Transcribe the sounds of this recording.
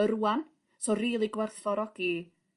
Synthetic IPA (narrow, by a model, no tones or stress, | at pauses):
əɾuan | soːriːlˠiɡwɛrθvɔɾɔɡ̥i